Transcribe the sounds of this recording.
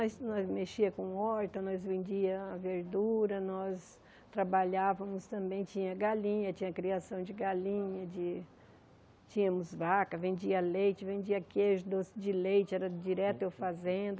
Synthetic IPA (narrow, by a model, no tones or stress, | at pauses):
ɔsnɔzmeʃiɐkõɔɾt̪ɐnɔzvẽnd͡ʒiɐːveɾd̪uɾɐnɔs | t̪ɾabaʎavɐ̃mʊst̪ɐ̃mbẽj̃t͡ʃĩɲɐɡalĩɲɐt͡ʃĩɲɐkɾiasɐ̃w̃d͡ʒɪɡalĩɲɐd͡ʒɪ | t͡ʃĩɲɐ̃mʊzvakɐvẽnd͡ʒiɐalejt͡ʃɪvẽnd͡ʒiɐkeʒʊd̪osɪd͡ʒɪlejt͡ʃɪɛɾɐd͡ʒiɾɛt̪ʊewfazẽnd̪ɐ